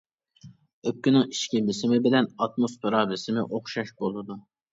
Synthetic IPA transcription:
øp̚kʲynɪŋiʃkʲimlɪsɪmɪbɪlɛnɑt̪̚mosfeɾɑbɪsɪmɪʔoχʃɑʃbolˠɨd̪u

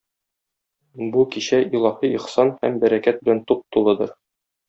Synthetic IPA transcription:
bukiɕæilˠɑhiiχsɑnhæ̰mbæɾækæt̪̚bɘ̆lænt̪uq̚t̪ulˠɤd̪ɤɾ

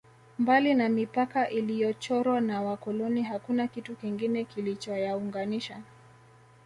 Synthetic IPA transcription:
mbalinamipakaʔilijɔt͡ʃɔɾwanawakɔlɔniɦakunakitukiŋɡinɛkilit͡ʃɔjauŋɡaniʃa

